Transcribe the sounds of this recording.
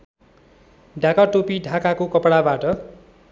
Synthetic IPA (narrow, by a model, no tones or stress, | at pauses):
ɖʱãkaʈopiɖʱakakokʌpɽabaʈʌ